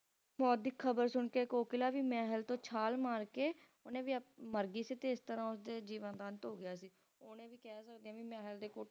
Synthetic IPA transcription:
mɔːt̪̚d̪ikʰːəbəɾsʊɳkeːkoːkɪlaːʋiːmɛːɦəlt̪õːt͡ʃʰaːlmaːɾkeː | onẽːʋiːməɾɡiːsiːt̪eːɪst̪əɾãːʊsd̪eːd͡ʒiːʋənd̪aːnt̪ɦoːɡɪjaːsiː | oːnẽːʋiːkɛːsəkd̪eãːʋiːmɛːɦəld̪eːko

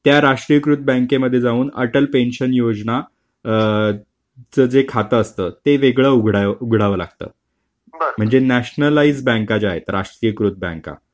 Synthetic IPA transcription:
t̪jaɾaʂʈɾijəkɾut̪̚bə̃ŋkeməd̪ʱːjed͡zaʋuːnəʈəlpenɕənjod͡zna | t͡səd͡zekʰat̪əːst̪əːt̪eʋeɡɭəuɡʱɽauɡʱɽaʋəːla̰ɡ̚t̪ə̰ː | m̤əɳd͡zenæɕnəlaiːd͡zbə̃ŋkat͡ɕaɦḛt̪ɾaʂʈɾijəkɾut̪̚bɛ̰̃ŋka̰

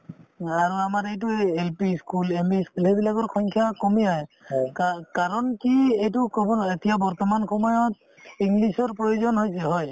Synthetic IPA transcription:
aɹuamaɹejt̬ʊelpiskulempiskulɦɛbilaɡɔɹxʰɔjŋkʰjakɔmiɦɔj | kakaɹɔnkiejtʊkɔbɔnetijabɔɹt̪ɔmanxʰɔmɔjɔt̚ | iŋɡlisɔɹpɹojuzɔnɦojsɛɦɔj

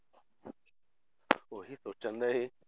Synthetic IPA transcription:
oɦisoːt͡ʃə̃nd̪aɦe

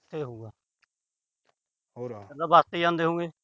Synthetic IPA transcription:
t̪ʰeːɦũːɡaː | ɦodaːbaːst̪eːãːnd̪eːɦõːɡeː

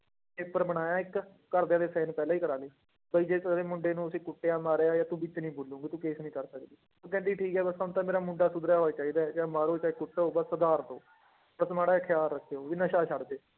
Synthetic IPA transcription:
eːpəɾməɽ̃aːjãːɪkː | əɾd̪ejãːd̪eːsɛːñːpɛːlãːiːkəɾaːleː | bəiːd͡ʒeːeːmʊɳɖeːnũːəsĩːkʊʈːeãːmaːɾeːaːjaːt̪ũːbit͡ʃːnĩːboːlːõːɡiːt̪ũːkeːsnĩːkəɾsəkd̪iːõːkɛ̃ːnd̪iːʈʰiːkɛːbəsaʊnt̪ãːmeːɾaːmʊɳɖaːsʊd̪ɾjaːɦoːat͡ʃaːiːd̪aːɛt͡ʃãːmaːɾoːt͡ʃaːɪkʊʈːoːbəsəd̪aːɾt̪õ̰ː | bəsmaːɽaːkʰɪjaːlːəkʰːeoːʋinəʃaːʃəɽd̪eː

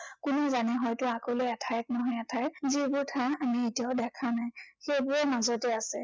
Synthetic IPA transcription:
kʊnɛzanɛɦɔjtʊakoleɛtʰajɛt̚nɔɦɔjɛtʰajzibʊɹtʰaamietiaʊdɛkʰanajxejbʊɹɔmazɔtɛasɛ

